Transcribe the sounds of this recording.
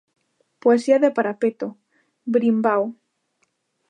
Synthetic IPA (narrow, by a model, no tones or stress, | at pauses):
poesiaðepaɾapet̪o | bɾimbaw